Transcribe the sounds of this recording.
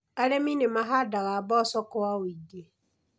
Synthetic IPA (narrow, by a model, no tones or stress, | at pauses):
alemĩnemaɦadaɣabɔsɔkʊwawide